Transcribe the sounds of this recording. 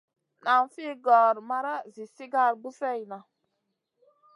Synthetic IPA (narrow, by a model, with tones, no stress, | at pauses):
na˨mfi˦ɡɔ˨ɾma˦ɾa˦zi˨si˦ɡa˦˨ɾɡ͡bu˦fe˦˨jna˨